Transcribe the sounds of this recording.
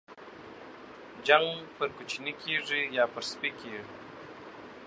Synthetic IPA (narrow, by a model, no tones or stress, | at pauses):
d͡ʒaŋɡpəɾkut͡ʃinikʰeʐijɑpəɾspikʰeʐi